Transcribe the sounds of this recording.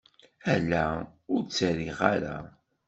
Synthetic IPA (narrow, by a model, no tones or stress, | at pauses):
ælːæʊɾt͡sːəɾiʁaɾæ̰